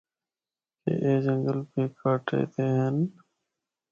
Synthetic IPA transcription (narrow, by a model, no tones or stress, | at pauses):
kḛʔeːd͡ʒəŋɡəlpeːkʰaːʈḛːt̪eːɦən